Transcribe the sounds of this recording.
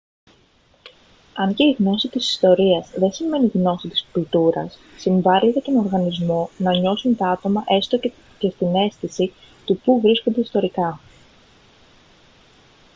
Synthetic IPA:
ɐɲce̞iɣno̞sit̪isi̥st̪o̞ɾiɐzðe̞sime̞niɣno̞sit̪i̥spult̪uɾɐsːiɱvɐlit̪et̪o̞no̞ɾɣɐnizmo̞nɐɲo̞sunt̪ɐɐt̪o̞mɐʔe̞st̪o | ce̞st̪ine̞sθisi | t̪upuvɾiskond̪e̞ist̪o̞ɾikɐ

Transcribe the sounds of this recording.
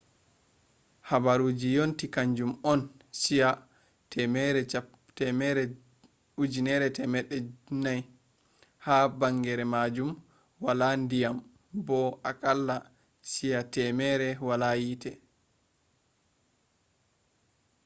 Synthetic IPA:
habaɾuːd͡ʒijontikaɲd͡ʒumɔn | sija | tɛmɛɾɛ | tɛmɛɾɛ | ud͡ʒinɛɾɛtɛmɛɗɛnaj | habaŋɡɛɾɛmad͡ʒum | walandijam | bɔʔakalːa | sijatɛmɛɾɛwalajiːtɛ

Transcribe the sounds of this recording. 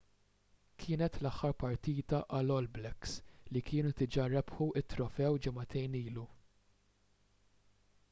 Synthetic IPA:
kʰɪːnɛt̪lɐħːɐɾpɐɾt̪iːt̪ɐʔɐlɔlblɛkslikʰɪːnut̪ɪd͡ʒɐɾɛpħuʔɪt̪ːɾɔfɛwd͡ʒɪmɐt̪ɛjniːlu

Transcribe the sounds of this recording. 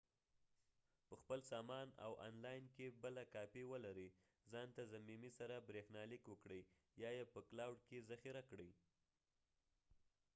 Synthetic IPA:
pəxpəlsɑmɑna̰wʔɑ̰nlɑjnkebəlakɑpiwəlaɾi | zɑnt̪azamimisaɾabɾexnɑlikwəkɽəj | jɑjepəklawɖkezaxiɾakɽəj

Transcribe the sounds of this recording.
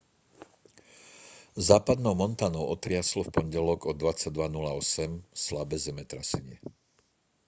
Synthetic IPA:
zaːpad̪nɔʊmɔnt̪aːnɔʊɔt̪ɾɪaslɔfpɔɲɟɛlɔɡɔd̪ʋat͡saɟ̚d̪ʋanulaɔsɛmslabɛzɛmɛt̪ɾasɛɲɪɛ

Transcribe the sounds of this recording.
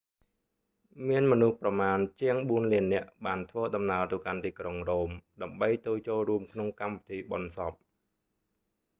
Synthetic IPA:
miənmɔnuhprɑmaːnt͡ɕiəŋɓuənliənːɛ̆əʔɓaːnt̪ʰʋəːɗɑmnaət̪əwkant̪iːkroŋroːmɗaəmɓəjt̪oːjt͡ɕoːlruəmkʰnoŋkampit̪ʰiːɓɑnsɑp̚

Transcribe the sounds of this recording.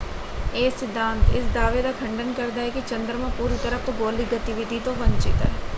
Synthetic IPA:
eːsɪd̪ʱːãːnt̪ɪ̰sd̪aːʋed̪akʰɐ̃ɳɖənkɐɾd̪aːekit͡ʃɐ̃nd̪ɾəmãpuːɾit̪ɐɾəft̪oɡoːliɡɐt̪ɪʋɪd̪ʱit̪õʋɐ̃ɲt͡ʃɪt̪ɦɛ̰ː

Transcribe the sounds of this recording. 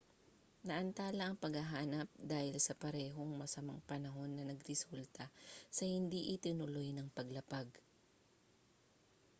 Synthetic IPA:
nɐʔɐnt̪aːlɐʔɐŋpɐɡhɐɦaːnɐp̚d̪aːhɪlsɐpɐɾɛːɦoŋmɐsɐma̰ŋpɐnɐɦo̞nːɐnɐɡɾɛsult̪ɐsɐhɪnd̪iʔɪt̪ɪnʊlo̞jnɐŋpɐɡlɐpaɡ

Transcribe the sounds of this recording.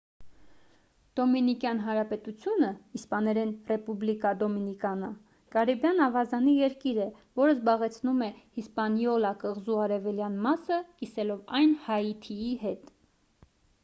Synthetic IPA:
d̪̥ɔminikjɑn̪ɦɑnɾɑpɛt̪ut͡sʰjunəispɑnɛɾɛnrɛpublikɑd̪ɔminikɑnə | kɑɾibjɑnɑvɑzɑnijɛɾkiɾɛ | vɔɾəzbɑʁɛt͡sʰnumɛhispɑnjɔlɑkəʁzuɑɾɛvɛljɑn̪mɑsəkisɛlɔvɑjnhɑjit̪ʰiiɦɛt̪

